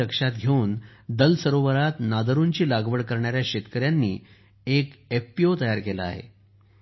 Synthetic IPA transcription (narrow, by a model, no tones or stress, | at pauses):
əkʂat̪ɡʱeuːnd̪əlsəɾoʋəɾat̪nad̪əɾuɲt͡ɕiːlaɡʋəɽkəɾɳaɾjaɕet̪kəɾjanːḭː | ekefpiot̪əjaɾkelaa̰ɦḛ